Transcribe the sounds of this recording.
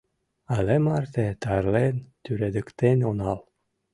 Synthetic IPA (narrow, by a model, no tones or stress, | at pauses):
ɑlemɑrt̪et̪ɑrlent̪yɾed̪ə̆kt̪enʲonɑl